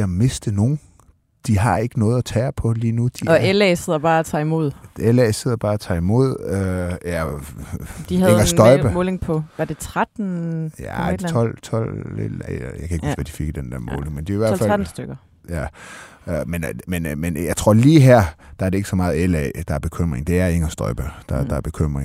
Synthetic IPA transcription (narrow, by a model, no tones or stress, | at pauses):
æme̝sd̥əno̝ːn̩ | d̥iɦɑ̈e̝ɡ̥ənɔ̽ːð̩ˠæt͡sʰɛːpʰɒ̽liːnud̥iɒelɛɪseð̞̰ˠɐb̥ɑ̈ːæt͡sʰɑ̰̈ːimo̝ð̞̰ˠelɛɪseð̞ˠɐb̥ɑ̈ːæt͡sʰɑ̰̈ːimo̝ð̞̰ˠøæ | d̥ihæðeŋɐsd̥ɒɪb̥əmɔːleŋpʰɒ̽ʋɑd̥e̝t͡sʰʁad̥n̩jæɒl̰t͡sʰɒlḛjɑɪkʰæeɡ̥usʋæd̥ifiɡ̥əd̥end̥æɐmɔ̰ːle̝ŋmend̥eiʋæɐɐfæln̩sd̥øɡ̥ɐ | jæømenmenmenjɑ̈ɪt͡sʰʁo̝ɐ̰liːɦæɐ̰d̥ɑ̈æɐɾee̝ɡ̥əsɒ̽mɑ̈ːð̩ˠelɛ̰ɪd̥ɑ̈æɐb̥e̝kʰøm̰ʁeŋd̥e̝æɐe̝ŋɐsd̥ɒ̽ʏb̥əd̥ɑd̥ɑ̈ɐb̥e̝kʰøm̰ʁeŋ